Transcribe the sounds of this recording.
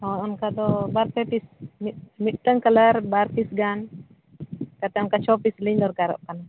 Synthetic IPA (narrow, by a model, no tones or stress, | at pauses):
ɔnɔnkad̪ɔbaɾpɛpismimit̪̚t̪əŋkalaɾbaɾpisɡan | kat̪ɛɔnkat͡ʃɔpisliɲd̪ɔɾkaɾɔ̰ʔkana